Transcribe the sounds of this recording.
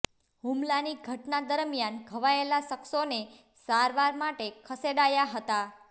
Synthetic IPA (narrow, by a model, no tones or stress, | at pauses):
ɦumlaniɡʱəʈnad̪əɾmjanɡʱəʋaelaʃəksone | saɾʋaɾmaʈekʰəseɽajaɦət̪a